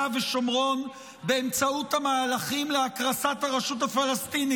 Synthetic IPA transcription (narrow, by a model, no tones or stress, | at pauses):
aveʃomʁo̞n | beemt͡sauthamaːlaχimleakʁasathaʁeʃutafalast̪ini